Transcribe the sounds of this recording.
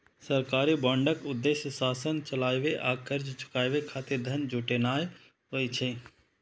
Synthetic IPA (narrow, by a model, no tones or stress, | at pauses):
səɾkaːɾibɔ̃ːɳɖəkʊd̪ːeːʃjəsaːsənt͡ʃəlaːjʋeʔaːkəɾd͡ʒt͡ʃʰʊ̥kaːjʋekʰaːt̪eɾd̪ʱənd͡ʒuːʈenaːj | ɦoːit͡ʃʰe